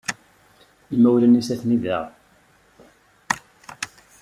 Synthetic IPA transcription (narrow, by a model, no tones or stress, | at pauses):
imːæwlænisæθniðæʁ